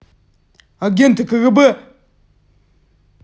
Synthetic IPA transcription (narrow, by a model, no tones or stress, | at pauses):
ɡant̪əkəɣəbə